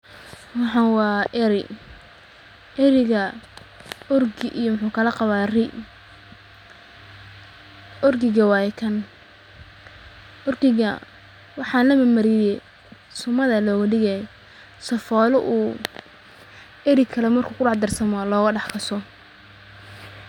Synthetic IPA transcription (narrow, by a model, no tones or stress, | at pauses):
wɑħɑnwɑːʔɛɾɪ | ʔɛɾɪɣɐ | ɔrɡɪʔijmʊħuːkʰɐlɐqɑβaːrɪʔ | ʔɔrɡɪɣɐwɑːjɛkʰɐn | ʔɔrɡɪɣɐ | wɑħɑːnlɐmɐmɐɾɪjɛ | sʊmɐðɐlɔːɣɐɖɪɣɛj | sɐfɔːlʊʔuː | ɛɾɪkʰɐlɛmɐrkʰuːkʰʊɖɑħd̪ɐrsɐmɔlɔːɣɐɖɑħkʰɐsɔ